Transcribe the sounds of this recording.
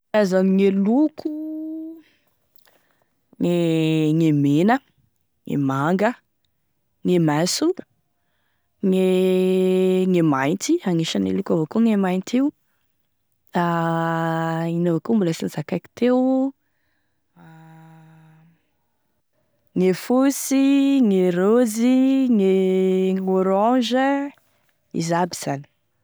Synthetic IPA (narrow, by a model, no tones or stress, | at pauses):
azamiŋelukʰu | ŋeŋemenə | ŋḛmaŋɡə | ŋemasu | ŋe | ŋemajnt̪iaŋeʃənḛlukavakuŋemajnt̪iu | a | inavokumbulasinizakajki̥t̪ew | ŋefusiŋeɾoziŋeŋoɾɔ̃ʒə | ḭzabiz̥ani̥